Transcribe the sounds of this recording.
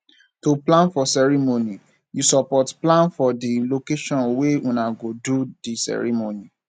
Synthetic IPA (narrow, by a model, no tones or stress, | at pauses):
toplãnfɔsɛɹimoni | jusɔpɔtplãnfɔdilokeʃɔ̃nweũnãɡodudisɛ̰ɹḭmoni